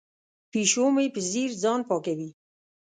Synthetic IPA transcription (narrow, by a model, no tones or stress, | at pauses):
piʃoːmejpəziɾd͡zɑːnpɑːkawiː